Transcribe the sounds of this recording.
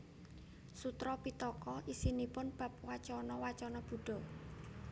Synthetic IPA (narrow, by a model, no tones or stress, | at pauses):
sut̪ɾɔpit̪ɔkɔʔisinipʊnb̥ä̤p̚wat͡ʃɔnɔwat͡ʃɔnɔb̥ṳɖ̥ɔ̤